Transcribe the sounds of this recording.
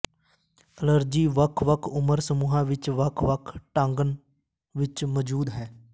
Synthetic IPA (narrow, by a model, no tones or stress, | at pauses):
ələɾd͡ʒiːʋəkʰʋəkʰʊməɾsəmuːɦãːʋɪt͡ʃʋəkʰʋəkʰʈãŋɡən | ʋɪt͡ʃməd͡ʒuːd̪ɦɛː